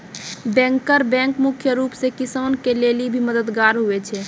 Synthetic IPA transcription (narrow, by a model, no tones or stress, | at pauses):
bɛ̃ŋkəɾbɛ̃ŋkmukʰjəɾupsekisənkelelibʱiməd̪əd̪ɡaɾɦuɛt͡ʃʰɛ